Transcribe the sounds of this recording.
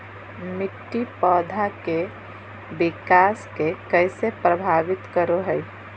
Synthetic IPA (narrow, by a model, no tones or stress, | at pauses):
mɪʈːipɔːd̪ʱake | bɪkaːskekəsepɾəbʱaːʋɪt̪kəɾoɦɛi